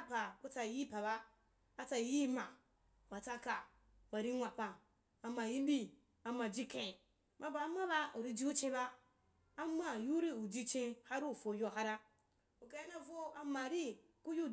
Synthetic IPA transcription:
a˦pa˨ku˦t͡sa˧˨ji˦pa˨ba˦ | a˦t͡sa˧˦ji˦ma˨ | wa˨t͡sa˧ka˨ | wa˨ɾi˦ŋʷa˨pa˨ | a˨ma˨ji˦bi˦ | a˨ma˨d͡ʒi˦kẽ˨ | mʔa˨ba˨˦ma˦ba˧u˨ɾi˧d͡ʒi˦u˦t͡ʃẽ˧ba˦ | a˦ma˦˨ju˦ɾi˦u˨d͡ʒi˧t͡ʃẽ˧˦ha˦ɾu˦˨fo˨jo˦˧˨ɦa˦ɾa˦ | u˨ka˨˦ji˦na˨vo˦a˨ma˨ɾi˦ | ku˦ju˦

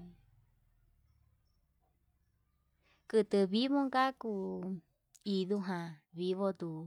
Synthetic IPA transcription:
kɨ˨t̪ɨ˨βi˦βõ˦ŋɡa˦ku˧ | i˧ðu˦ɦã˨βi˧βo˧d̪u˨

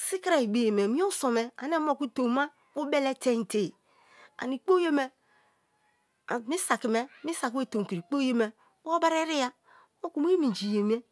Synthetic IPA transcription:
si˦kɾa˨i˨be˨je˨me˨mi˦o˦so˨me˨a̰˨ne˦m˦o˦˨ku˦to˨˦ma˦ | mu˦be˦le˦te˦n˨te˨ | a̰˨ni˨k͡po˦je˦me˦˨ | mi˦sa˨ki˨me˦mi˦sa˨ke˦˨to˨ŋ˨ki˨ɾi˨k͡po˦je˦me˨ | m˦o˦ba˦ɾe˦ɾi˦ja˦ | mo˦ku˨m˦e˦mi˨d͡ʒi˨je˨mi˦e˦

